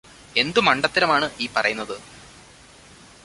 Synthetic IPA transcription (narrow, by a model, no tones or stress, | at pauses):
e̞nd̪umɐɳɖɐt̪ːiɾɐmaːɳɨʔiːpɐrɐ̰junːɐðɨ